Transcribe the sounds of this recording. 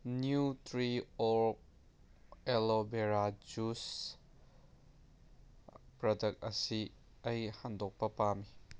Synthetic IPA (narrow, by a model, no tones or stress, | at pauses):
njutʰɾiɔɾk̚ | elobeɾad͡ʒus | pɾɔdɐk̚t̚ɐsi | ɐjhandɔk̚pɐpami